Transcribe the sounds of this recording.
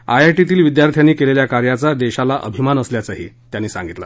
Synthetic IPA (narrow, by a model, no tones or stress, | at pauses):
ajaʈit̪iːlʋid̪jaɾt̪ʰjanːiːkeleljakaɾjat͡sad̪eɕalaʔə̰bʱimanəsljat͡saɦḭːt̪janːiːsã̰ŋɡit̪la̰